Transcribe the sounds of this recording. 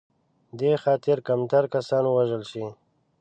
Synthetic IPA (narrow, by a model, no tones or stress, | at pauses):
d̪exɑːt̪ɪɾkamt̪aɾkasɑnwaʒəlʃi